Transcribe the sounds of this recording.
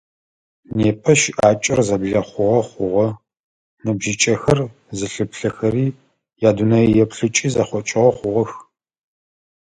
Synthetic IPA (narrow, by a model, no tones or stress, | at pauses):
neːpʰɐʃʔaːt͡ʃʼɪrzɐbɮɐχʷʊʁɐχʷʊʁɐ | nɨbʒɪt͡ʃʼɐxɐr | zɨɬɨpɬɐxɐriː | jaːdunɐjɛpɬɨt͡ʃʼiːzɐχʷɔt͡ʃʼɪʁɐχʷʊʁɔx